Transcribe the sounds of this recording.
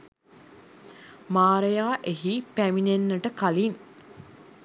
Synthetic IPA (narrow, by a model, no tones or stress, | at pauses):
maːɾejaːʔeɦipæminenːəʈəkalin